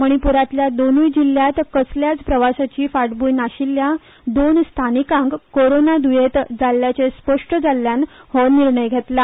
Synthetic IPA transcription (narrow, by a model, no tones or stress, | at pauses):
məɽ̃ipuɾat̪ljad̪onujd͡ʑiljat̪kəsljat͡spɾəʋasat͡ɕiːfaʈbujnaɕilːja | d̪onst̪ʰanikãŋkkoɾonad̪ujet̪d͡zalːjat͡sespəʂʈəd͡zalːjanhɔniɾɳəjɡʱet̪la